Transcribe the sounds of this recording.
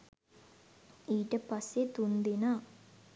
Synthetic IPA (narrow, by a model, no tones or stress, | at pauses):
iːʈəpasːet̪und̪enaː